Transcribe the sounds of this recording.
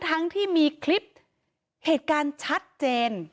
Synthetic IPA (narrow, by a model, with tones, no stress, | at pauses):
t̪ʰa˦˥ŋt̪ʰiː˥˩miː˧kʰli˦˥p̚ | heː˨˩t̪̚kaː˧nt͡ɕʰa˦˥t̪̚t͡ɕeː˧n